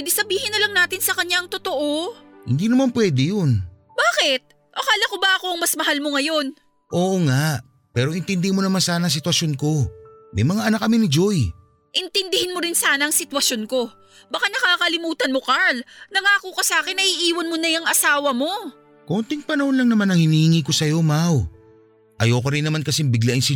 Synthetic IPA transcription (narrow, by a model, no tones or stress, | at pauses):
d̪ɪsɐbiːhɪnːɐlɐŋnaːt̪ɪnsɐkɐɲjaŋt̪ot̪o̞ʔo̞hɪnd̪inɐmanpwɛːd̪ɛjon | baːkɪt̪̚ | ʔokaːlɐkobɐʔɐko̞ʔɐŋmɐsmɐɦalmoŋɐjo̞n | ʔo̞ːʔoŋaʔ | pɛːɾoʔɪnt̪ɪnd̪ɪmonɐmansaːnɐŋs̬ɪt̪wɐsjo̞nko̞mɐjmɐŋaʔɐnak̚ːɐmɪnɪd͡ʒoj | ʔɛnt̪ɪnd̪ɪhɪnmoɾɪnsaːnɐʔɐŋsɪt̪wɐsjo̞nko̞ | bɐkanɐkaːkɐlɪmuːt̪ɐnmo̞kaɹlnɐŋaːkukɐsaːkɪnːɐʔiʔiːwɐnmonɐjɐŋɐsaːwɐmo̞ | kont̪ɪŋpɐnɐho̞nlɐŋnɐmanɐŋhɪniːhɪŋiːko̞sɐjo̞maw | ʔɐjoːkoɾɪnːɐmankɐsɪmbɪɡlaʔɪŋsɪ